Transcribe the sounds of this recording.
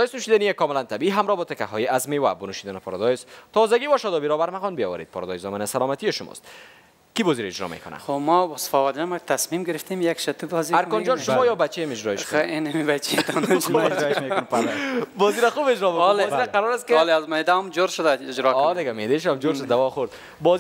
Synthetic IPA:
d̪ɔjɪsnʊʃid̪anijekɔmɪlant̪abiiɦamɾɔbɔt̪ɪka̰ɦɔjeazmewa̰bʊnuʃid̪anɪpaɾɔ̰d̪ɔjst̪ɔzaɡiwaʃɔd̪ɔbiɾɔbaɾmaɣɔnbijɔ̰wa̰ɾḛd̪̚pɔɾɔ̰d̪ɔjzɔmanasalɔmat̪ijeʃʊmɔ̰st̪ | kibɔziɾaɪd͡ʒɾɔ̰mḛkʊna̰xomɔbɔsfɔwaɾd͡ʒamakt̪ʰasmimɡɪɾɪft̪emjakʃat̪ubɔziaɾkɔnd͡ʒɔnʃʊmɔjɒbat͡ʃemɪd͡ʒɾɔeʃkenemibat͡ʃʰejt̪ɔnɾɔmenbɔziɾaxubed͡ʒɾɔmekleɔziɾaqaɾɔɾast̪keleazmed̪aɔmd͡ʒoɾʃʊd̪aɪd͡ʒɾɔkɔdd̪ɪɡamed̪eʃamd͡ʒoɾʃʊd̪d̪awɔxoɾd̪ | bɔ

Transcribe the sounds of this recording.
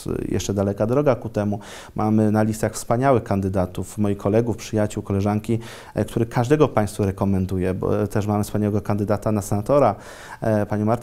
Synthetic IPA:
jɛ̰ʂt͡ʂɛd̪alɛkad̪ɾɔɡakut̪ɛmu | mʔamɘnalʲist̪axfspaɲawɘxkand̪ɘd̪at̪ufmɔjixkʰɔlɛɡufpʂɘjat͡ɕuwkɔlɛʐaŋkʲi | kt̪uɾɘkʰaʐd̪ɛɡɔpaj̃st̪fuɾɛkɔmɛnd̪ujɛbɔ̰t̪ɛʂ̬mamɘfspaɲawɛɡɔkand̪ɘd̪at̪anasɛnat̪ɔɾa | paɲɔmaɾt̪

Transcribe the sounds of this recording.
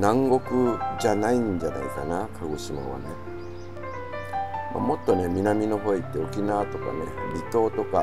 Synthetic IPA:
nãŋɡo̞kɯ̟d͡ʑanaiɲd͡ʑana̰ika̰nakʰaɡosɨma̰βa̰ne̞ | ma̰mo̞t̪ːo̞ne̞mʲinamʲino̞ɦo̞it̪ːe̞o̞kʲinat̪o̞ka̰ne̞bʲit̪o̞ːt̪o̞ka

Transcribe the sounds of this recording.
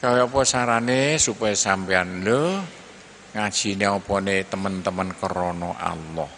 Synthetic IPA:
kaweɔpɔsaɾanesupajsampeanlə | ŋad̥ʒ̥i̤neɔpɔnet̪əmənt̪əmənkəɾɔnɔʔa̰lːɔh

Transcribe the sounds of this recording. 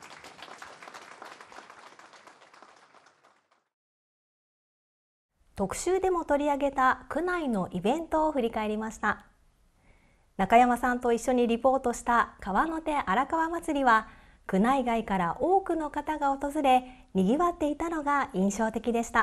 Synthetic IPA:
t̪o̞kɯ̟̥ɕɨːd̪e̞mo̞t̪o̞ɾʲiaɡe̞t̪akɯ̟naino̞ʔibẽ̞nt̪o̞ːɸɯ̟ɾʲikae̞ɾʲimaɕi̥t̪a | nakajamasãnt̪o̞iɕːo̞ɲ̟iɾʲipo̞ːt̪o̞ɕi̥t̪akaβano̞t̪e̞ʔaɾakaβamat͡sɨɾʲiβa | kɯ̟naiɡaikaɾaʔo̞ːkɯ̟no̞kat̪aɡao̞t̪o̞zɨɾe̞ | ɲʲiɡʲiβat̪ːe̞it̪ano̞ɡaĩɰ̃ɕo̞ːt̪e̞kʲid̪e̞ɕi̥t̪a

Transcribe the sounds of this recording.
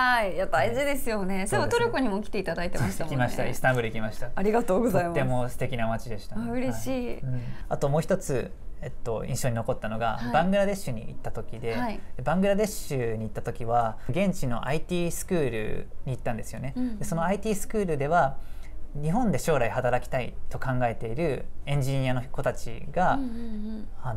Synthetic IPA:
haiijad̪aiʑid̪e̞sɨjo̞ne̞d̪eot̪oɾʲokoɲ̟imo̞kʲi̥t̪e̞it̪ad̪ait̪e̞makʲimaɕit̪aḭsɨ̥t̪ãmbɯ̟ɾɯikʲimaɕi̥t̪aaɾʲiɡat̪oːɡozaimemo̞sɨ̥t̪e̞kʲinamat͡ɕid̪e̞ɕi̥t̪aɯɾeɕiːɯ̟̃at̪o̞moːçʲi̥t̪o̞t͡sɨ | et̪ːo̞ḭ̃ɕoɲ̟ino̞ko̞t̪ːano̞ɡa̰bãŋɡɯ̟ɾad̪e̞ɕːɨɲ̟ḭit̪ːat̪o̞kʲid̪e̞aid̪ebãŋɡɯ̟ɾad̪e̞ɕɨɲ̟iːt̪ːat̪o̞kʲiβaɡẽ̞ɲt͡ɕino̞̰ʔait̪ʲiːsɨ̥kɯ̟ːɾɯ̟̰ɲ̟iːt̪ːãnd̪e̞sɨjo̞ne̞d̪e̞so̞no̞ait̪ʲiːsɨ̥kɯ̟ːɾɯ̟d̪e̞βa | ɲ̟iɦõ̞nd̪e̞ɕo̞ːɾaihat̪aɾakʲi̥t̪ait̪o̞kãŋɡae̞t̪e̞iɾɯ̟ẽ̞ɲ̟d͡ʑiɲ̟iano̞ko̞t̪at͡ɕḭɡa | an

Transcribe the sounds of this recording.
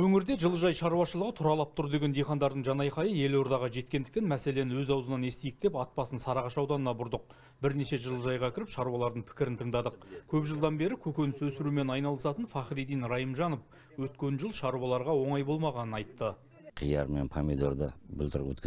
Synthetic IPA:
wɵŋɪɾd̪e̞ʒəlˠəʒɑjʃɑɾuwɑʃəlˠəʁət̪ʰʊɾɑlˠɑp̚t̪ʰʊɾd̪e̞ɡʲed̪ijχɑnd̪ɑɾd̪əɴʒɑnɑjqʰɑjəe̞lo̞ɾd̪ɑʁɑʒe̞t̪̚kʲe̞nd̪ɪkt̪enmæse̞le̞nɪwɵzɑwzənɑne̞st̪ejɪk̚t̪e̞pɑt̪̚pɑsənsɑɾɑʁɑʃɑwd̪ɑnənɑbʊɾd̪əq̚ | bɪɾne̞ʃe̞ʒəlˠəʒɑjʁɑkʲʰɪɾɪpʃɑɾuwɑlˠɑɾd̪əɴpʰɪ̥kʲɪɾɪnt̪ʰəɴd̪ɑd̪əq̚kʲʰɵpʒəlˠd̪ɑnbe̞ɾɪkʲʰɵkʲenɪswɵsɪɾume̞nɑjnɑlˠəsɑt̪ənfɑχɾid̪ijnɾɑjəmʒɑnof | wɵt̪kʲe̞nʒəlˠʃɑɾuwɑlˠɑɾʁɑwo̞ɴɑjbo̞lˠmɑʁɑnənɑjt̪ːə | qʰijɑ̰ɾmḛnpʰamid̪o̰ɾd̪ə̰bʊ̰lt̪ʰəɾwɵ̰t̪̚k

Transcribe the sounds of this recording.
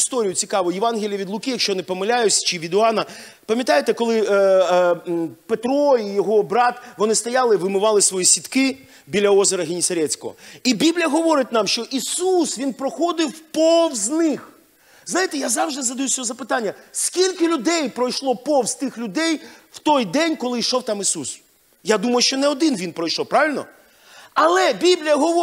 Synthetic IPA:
st̪ɔɾʲijʊt͡sʲikɑʋʊjɪʋɑnɦʲɪlʲijɐʋʲid̪lˠʊkɪjɐkʃt͡ʃɔjɔnɪpɔmɪlʲajʊt͡sʲt͡ʃɪʋʲid̪ʊɑnɐ | pɐmʲjɐt̪ɑjet̪ɛkɔlˠɪ | pet̪ɾɔijɔɦɔbɾɑt̪ʋɔnɪst̪ɐjɑlˠɪʋɪmɪʋɑlˠɪsʋɔjisʲit̪kɪ | bʲilʲɐɔzeɾɐɦʲenʲisɐɾʲɛt͡sʲkɔ̰ɦɔ̰ibʲiblʲijɐɦɔʋɔɾɪt̪̚ʲnɑmʃt͡ʃɔʔisusʋʲinpɾɔxɔd̪ɪwpɔwznɪx | znɑjɪt̪ɛjazɑwʒd̪ɪzɐd̪ɐjusʲɔɔzɐpɪt̪ɑnʲːɐsʲkʲilʲkɪlʲʊd̪ɛjpɾɔjʃlˠɔpɔwz̥t̪ɪxlʲʊd̪ɛjw̥t̪ɔjd̪ɛnʲkɔlˠɪiʃɔwt̪ɑmisus | jad̪umɐjʊʃt͡ʃɔnɛɔd̪ɪnʋʲinpɾɔjʃɔwpɾɑʋʲɪlʲnɔ̰ | ɐlˠɛbʲiblʲijɐɦɔʋɔ

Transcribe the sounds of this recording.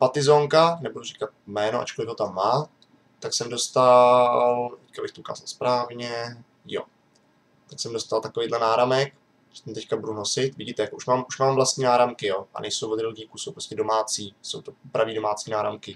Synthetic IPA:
pat̪ɪzoːŋkanɛbudurikat̪̚mɛːnoʔa̰t͡ʃkolɪɡɦo̞t̪amːaː | t̪aksɛmdo̞st̪alt̪ɛckabɪxt̪oʔuka̰ːzalspɾaːvɲɛ | jo̰ | t̪aksɛmdost̪alt̪ako̞vejːdlɛnaːɾamɛk | ɛ̥t̪amt̪ɛckabudunosɪt̪vɪɟit̪ɛjakoʔuʃmaːmʔuʃmaːmvlast̪ɲiːnaːɾamkɪjoʔa̰nʔɛjsowvod̪ɾɪlɡɲiːkusowpɾoscɛdo̞maːt͡siːso̞̰wt̪o̞pɾaviːdo̞maːt͡siːnaːɾa̰mkɪ

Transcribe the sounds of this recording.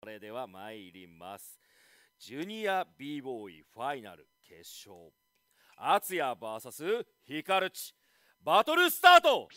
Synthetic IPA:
ɾe̞d̪e̞βamaeiɾʲima̰sɨ̥ | d͡ʑɯɲ̟iabʲiːbo̞ːḭɸaina̰ɾɯ̟̰kʰeɕo̰ː | at͡sɨjabaːsasɨ | çikaɾɯ̟t͡ɕi̥ | bat̪o̞ɾɯ̟sɨ̥t̪aːt̪o̞

